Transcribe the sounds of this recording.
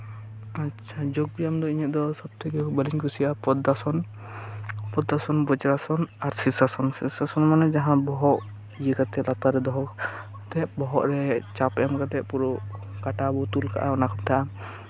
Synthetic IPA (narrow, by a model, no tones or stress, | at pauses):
atːt͡ʃʰad͡ʒoɡ̚bijamd̪ɔiɲət̪̚d̪ɔsɔb̚t̪ʰɛɡɛbəliɲkusijapɔd̪asɔn | pɔd̪ːasɔnbɔd͡ʒɾasɔnaɾsisasɔnsisasɔnmanɛd͡ʒaɦãbɔɦɔʔ | jəɡat̪ɛlat̪aɾɛd̪ɔɦɔk | t̪ɛʔ̚bɔɦɔʔɾɛt͡ʃapɛmkat̪ɛʔ̚puɾɔkaʈabɔt̪ulka̰ʔa̰ɔnakɔm̚t̪ʰaʔa